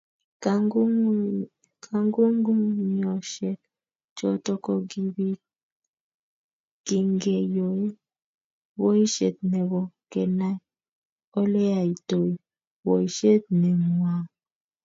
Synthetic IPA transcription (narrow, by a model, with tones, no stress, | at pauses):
kʰa˦ŋɡu˦ŋɡu˦ŋɲ˨ɔ˨ʃe˨t | t͡ʃɔ˦tɔ˦kɔ˦ɡi˦bi˦ | ɡ̥i˨ŋɡe˨jo˨e˦ | wo˦i˦ʃḛ˨t̪̚nɛ˨ɡɔ˨ke˨na˦ | o˦le˦a˨i˨to˨i˨ | wo˨i˨ʃe˦t̪̚nɛ˨mwa˨ŋ